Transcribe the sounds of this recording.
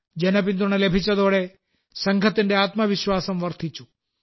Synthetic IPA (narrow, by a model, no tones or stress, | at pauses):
d͡ʒenɐpint̪uɳ̃ɐlebʱit͡ʃɐd̪oɽe | sɐŋɡʱɐt̪inɖeaːt̪mɐʋɪʃwaːsɐmʋɐɾt̪ʰit͡ʃu̥